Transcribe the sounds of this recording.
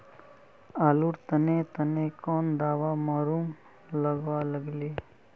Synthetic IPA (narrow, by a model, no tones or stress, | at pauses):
aːluɾt̪ənet̪ɐnekɔːnd̪aːʋamaːɾuːm | lɐɡʋaləɡleː